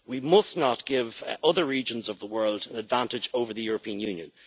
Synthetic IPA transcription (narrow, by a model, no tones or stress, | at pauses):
wimʌsnət̚ɡ̥ɪvʌðə˞ɹid͡ʒə̃nzʌvðəwɜ˞lˠdə̃nədvãntɪd͡ʒoʊvə˞ðəjʊɹəpʰĩə̃njʉ̃njə̰̃n